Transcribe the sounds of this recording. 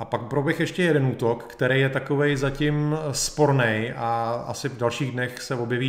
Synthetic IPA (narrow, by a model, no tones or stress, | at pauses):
ʔapakpɾobjɛxjɛʃcɛjɛdɛnuːt̪okːt̪ɛɾejjɛt̪akovɛjzacɪmspo̞ɾnɛjʔaa̰sɪvdalʃiːɣdnɛxsɛvo̞bjɛviː